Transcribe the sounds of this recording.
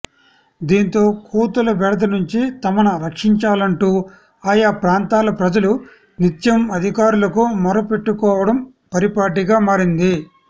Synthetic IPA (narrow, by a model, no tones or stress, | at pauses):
d̪iːnt̪o̞ːkʰuːt̪ulɐbɛɽɐd̪ɐnuɲt͡ʃit̪ɐmɐnɐɾɐkʂiɲt͡ʃaːlɐɳʈuː | aːjaːpɾaːnt̪aːlɐpɾɐd͡ʒɐlu | nit̪jɐmɐd̪ʱikaːɾulɐkumɔɾɐpe̞ʈːukɔːʋɐɽɐm | pɐɾipaːʈ̬iɡaːmaːɾind̪i